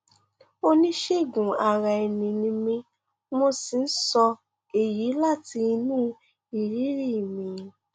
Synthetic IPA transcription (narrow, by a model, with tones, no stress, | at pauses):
o˦nĩ˦ʃe˦˨ɡũ˨a˨ɾa˨e˨nĩ˨nĩ˧mĩ˧ | mo˧si˨˧n̩˦sɔ˧ | e˨ji˨˦la˦˨ti˧nũː˦ | i˨ɾi˦ɾi˦˨mĩ˨